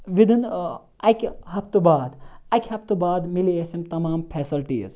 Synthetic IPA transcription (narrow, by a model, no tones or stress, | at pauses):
ʋid̪in | ɐkʲɦɐpt̪ubaːd̪ɐkʰʲhɐp̚t̪ubaːd̪miliesimt̪ɐmaːmpʰeːsɐlʈḭːz